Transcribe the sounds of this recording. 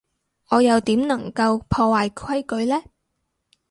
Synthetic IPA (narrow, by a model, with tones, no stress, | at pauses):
ʔɔː˨˧jɐ˨˧wt̪iː˨˥mnɐ˨˩ŋkɐ˧wpʰɔː˧waː˧jkʰwɐ˥jkɵ˨˧ɥlɛː˥